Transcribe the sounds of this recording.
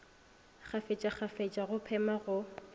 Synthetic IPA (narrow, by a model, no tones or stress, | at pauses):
χʰafet͡ʃʼaχafet͡ʃʼaɣʊpʰɛmaɣʊ